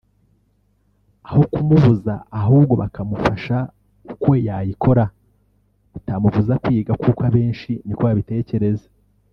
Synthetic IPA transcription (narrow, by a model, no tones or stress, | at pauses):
aho̞kumuvuza̰ːɦuːbɡo̞βa̰kamufaʃa | uko̞jajikʰo̞ɾa | utamuvuzakwiːɡakukwaβe̞ːnʃinikoβaβite̞ːce̞ɾe̞zḁ